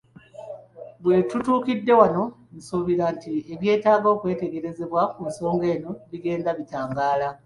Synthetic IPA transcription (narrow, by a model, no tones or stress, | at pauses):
βwe̞tutuːkidːe̞wano̞ | nusuβiɾantieβje̞ːtaːɡo̞ːkwe̞ːte̞ɡe̞ɾe̞ze̞βwakunso̞ːŋɡe̞ːno̞βiɡe̞ːndaβitaːŋɡaːla